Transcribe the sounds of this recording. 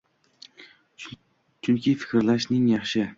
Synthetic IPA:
t͡ʃʰʊŋkʲɪfɪ̥kʲɾlaʃnɪŋjɑχʃɪ

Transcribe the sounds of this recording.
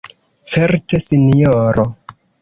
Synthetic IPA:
t͡se̞ɾte̞sinioɾo

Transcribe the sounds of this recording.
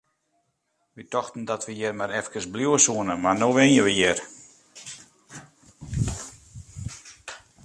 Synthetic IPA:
ʋitɔxtn̩dɔtʋəjɪrmaɾɛfkəsbljuəsuənəmanoːʋɪnjəʋəjɪr

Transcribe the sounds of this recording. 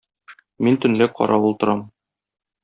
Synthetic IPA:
mint̪ɵ̆nlɘqʰɒ̰ɾʔɑulˠt̪ɤ̆ɾɑm

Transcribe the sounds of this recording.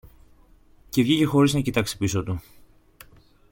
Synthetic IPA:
ce̞vʝice̞xo̞ɾiznɐcit̪ɐksi̥pisot̪u

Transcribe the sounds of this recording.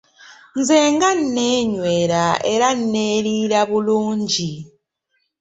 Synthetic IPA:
nzeːŋɡan̩neːɲwe̞ːɾaeɾan̩neːlilaβuluːɲɟi

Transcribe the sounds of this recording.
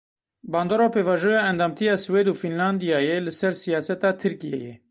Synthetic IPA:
bɑːnd̪oːɾaːpʰeːvɑːʒojɑːɛnd̪ɑːmt̪ʰijɑːsweːd̪uːfinlɑnd̪ijɑːjɛlɨsɛɾsijɑːsɛt̪ɑːt̪ʰɨɾkijḛjɛ

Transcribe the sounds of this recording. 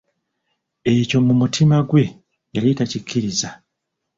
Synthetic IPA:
e̞co̞mumutʰimaɡwe̞ | jalitacicʰːiɾiza

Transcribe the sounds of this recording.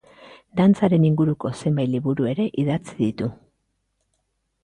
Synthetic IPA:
d̪ant͡saɾe̞niŋɡuɾuko̞se̞mbaj̪liβuɾue̞ɾe̞ʔiðat͡siðit̪u

